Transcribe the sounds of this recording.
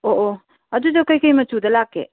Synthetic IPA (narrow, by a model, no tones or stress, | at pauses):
oʔo | ɐdudɐkɐjkɐjmɐtudɐlakːḛ